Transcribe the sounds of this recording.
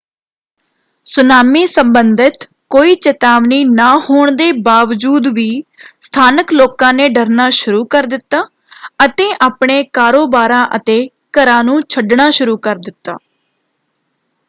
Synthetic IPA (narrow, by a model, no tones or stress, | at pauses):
sʊnaːmiːsəmbənd̪ɪt̪ | koːiːt͡ʃət̪aːʋniːnaːhoːɳd̪eːbaːʋd͡ʒuːd̪ʋiːst̪ʰaːnəkloːkãːneːɖəɾnaːʃʊɾuːkəɾd̪ɪt̪ːaː | ət̪ẽːʔaːpɳeːkaːɾoːbaːɾãːʔət̪eː | kəɾãːnũːt͡ʃʰəɖɳaːʃʊɾuːkəɾd̪ɪt̪ːa̰ː